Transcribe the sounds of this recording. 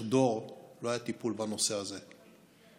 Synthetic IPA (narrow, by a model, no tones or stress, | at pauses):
d̪o̞ʁlo̞ajat̪ipulbano̞se̞aze̞